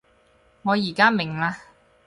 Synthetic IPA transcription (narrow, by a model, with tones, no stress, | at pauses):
ŋɔː˨˧jiː˨˩kaː˥mɪ˨˩ŋlaː˧